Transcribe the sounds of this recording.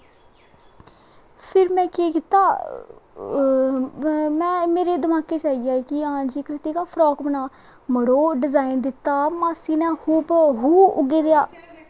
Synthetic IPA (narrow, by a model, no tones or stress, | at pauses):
pʰɪɾmɛ̃ːkeːkɪt̪ːaː | mɛ̃ːmeːɾeːd̪əmaːkeːt͡ʃaːiːjaːkɪãːd͡ʒiːkɾɪt̪iːkaːpʰɾɔːkbənaː | məɽoːɖɪzaːind̪ɪt̪ːaːmaːsiːnɛ̃ːhuːpɦuːʊ̰ɡeːd̪ejaː